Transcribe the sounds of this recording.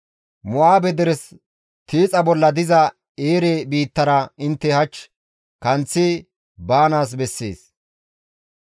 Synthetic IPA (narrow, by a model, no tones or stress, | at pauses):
mʊaːbɛd̪ɛɾɛs | t̪iːt͡sʼɐbɔlːɐd̪ɪzɐ | eːɾebiːt̪ːɐɾɐɪnt̪ːɛhɐt͡ʃː | kɐnt͡sːɪ | baːnaːs̬bɛsːḛːs